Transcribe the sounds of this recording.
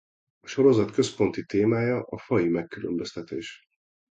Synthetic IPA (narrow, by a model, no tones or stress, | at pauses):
ɒʃo̞ɾo̞zɒt̪kø̞spo̞nt̪it̪eːmaːjɒʔɒfɒjimɛkːylømbøst̪ɛt̪eːʃ